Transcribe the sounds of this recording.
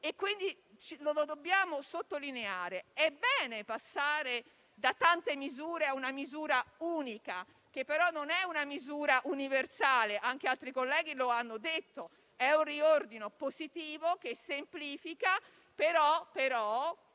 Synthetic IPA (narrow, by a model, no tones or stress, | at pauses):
ekwind̪i | t͡ʃilolod̪obːjaːmosot̪ːolineaːɾeɛbɛːnepasːaːɾe | d̪at̪ːant̪emizuːɾeaunamizuːɾauːnika | k̟epːeɾɔnːonɛunamizuːɾaʔuniversaːleʔaŋk̟ealt̪ɾikolːɛːɡ̟iloanːod̪et̪ːo | ɛunriord̪inopozit̪iːvok̟esːempliːfika | peɾɔpeɾɔ